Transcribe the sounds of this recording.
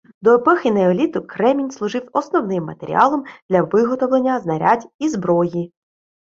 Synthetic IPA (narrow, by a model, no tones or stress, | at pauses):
d̪ɔɔpɔxʲineɔlʲit̪ʊkɾɛmʲinʲslˠʊʐɪwɔsnɔwnɪmːɐ̰t̪eɾʲḭʔɑlˠɔmd̪̥lʲɐʋɪɦɔt̪ɔwlˠenʲːɐznɐɾʲʔadʲizbɾɔji